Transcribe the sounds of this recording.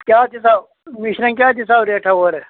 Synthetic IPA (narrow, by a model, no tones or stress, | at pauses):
kʲjaːt̪ʰisaːw | miɕɾɐ̃ŋkʲjaːt̪ʰisaːbɾeːʈʰɐɦoːɾe